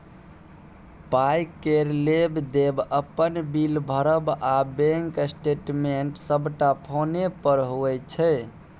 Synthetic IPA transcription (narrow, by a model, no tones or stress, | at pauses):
pajkeɾlebd̪ebəpənbilbʱəɾəbabeŋksʈeʈmeɳʈsəbʱʈapʰonepəɾɦoɛt͡ʃʰɛ